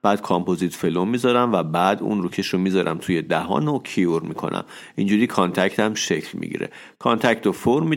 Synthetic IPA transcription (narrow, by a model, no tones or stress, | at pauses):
b̥æːd̪̥kʰɒmpʰozit̪felomːiːzɒɾæmvæbæːd̪ṵnɾucʰeʃomiːzɒɾʔæ̰mt̪ʰuːje̞d̪æɦɒ̰ːnocʰioɾmikʰo̞̰nʔæ̰m | ind͡ʒuːɾiːkʰɒnt̪ʰæct̪ʰæmʃecʰlmḭɟḭɾḛ | kʰɒnt̪ʰæct̪ofoɾmːi